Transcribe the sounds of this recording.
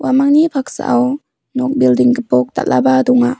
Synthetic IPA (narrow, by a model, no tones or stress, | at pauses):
wamaŋnipʰak̚sa̰ʔaw | nɔk̚bildiŋkəpɔk̚t̪a̰ʔ̚lʔa̰badɔŋa